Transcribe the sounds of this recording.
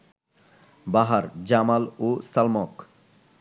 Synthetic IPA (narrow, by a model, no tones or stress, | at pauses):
baɦaɾd͡ʑamalosalmɔk